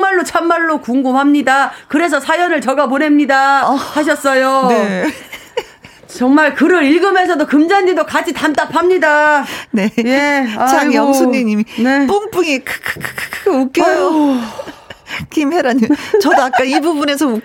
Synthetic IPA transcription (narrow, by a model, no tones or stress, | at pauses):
maɭːot͡ɕʰamːaɭːokuŋɡumɦamɲidakɯɾe̞s̬ʰʌsʰajʌnɯɭt͡ɕʌɡapone̞mɲidahaɕ̬ʰʌs͈ʌjone | t͡ɕʌŋmaɭkɯɾʌɾiɭɡɯme̞s̬ʰʌdokɯmd͡ʑandidokad͡ʑʰitamt͈apʰamɲidanejeaajʌŋsʰuɲiɲiminep͈uŋp͈uŋikʰkʰkʰkʰkʰɡeuk͈ejo | kimeɾaɲit͡ɕʌdoakk͈aibubunesʰʌ